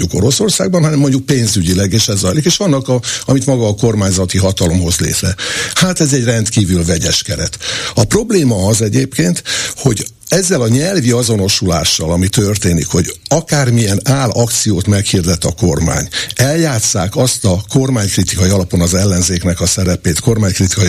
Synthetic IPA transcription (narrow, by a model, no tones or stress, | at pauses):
uko̞ɾo̞so̞rsa̰ːɡbɒnɦɒnɛmːo̞ɲɟuk̚peːnzyɟilɛɡeːʃɛzːɒjlikeːʃɒnːɒkɒɒmit̪mɒɡɒːko̞rmaːɲzɒt̪iɦɒt̪ɒlo̞mɦo̞zlḛːt̪rɛhaːt̪ɛzɛɟrɛnt̪kiːvylvɛɟɛʃkɛɾɛ̰t̪ɒpro̞bleːmɒɒzɛɟeːpkeːnt̪ho̞ɟ | ɛzːɛlɒɲɛlviɒzo̞no̞ʃula̰ːʃːɒlɒmit̪ørt̪eːnḭkho̞ɟɒkaːrmiɛnaːlɒkt̪sijoːt̪mɛkhiːrd̪ɛt̪ːɒko̞rma̰ːɲɛljaːt̪saːkɒst̪ɒko̞rmaːɲkrit̪ikɒiɒlɒpo̞nɒzɛlːɛnzeːknɛkɒsɛɾɛpeːt̪ko̞rmaːɲkrit̪i̥kɒi